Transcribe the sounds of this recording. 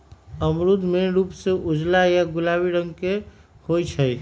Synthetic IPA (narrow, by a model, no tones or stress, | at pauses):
əmɾʊd̪ʱmẽɾuːpseʔʊd͡ʒlajaɡʊlaːwiɾə̃ŋɡke | hoit͡ʃʰəi